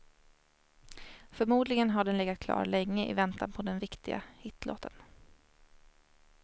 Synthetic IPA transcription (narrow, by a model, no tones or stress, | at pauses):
fœɾmuːd̪lɪɡənɦaɖɛnlɛɡːat̪̚kʰlɑ̰ːɾɭɛŋːəʔɪ̰vɛnt̪anpʰɔd̪ɛnvɪkt̪ɪɡa̰hɪt̪ːlo̰ːt̪ʰən